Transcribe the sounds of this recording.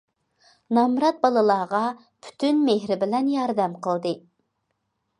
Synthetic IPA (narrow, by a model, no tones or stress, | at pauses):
nɑmɾɑt̪̚bɑlˠɨlˠɑːʁɑ | pʰy̥t̪ʰynmeɦɾɪbɪlɛnjɑɾd̪ɛmqʰəlˠd̪ɨ